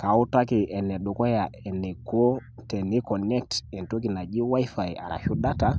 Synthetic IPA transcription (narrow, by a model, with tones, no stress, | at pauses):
ka˨u˦ta˦ki˨ʔɛ˨nːɛ˨ɗu˨kɔ˦ja˨ɛ˨nːɛ˨ko˦ | tɛ˨ni˦kɔ˨nɛ˦k̚tɛ˨nto˦ki˨na˨d͡ʒi˦wa˦jfa˨ja̰˨ɾa̰˨ʃu˦da˦ta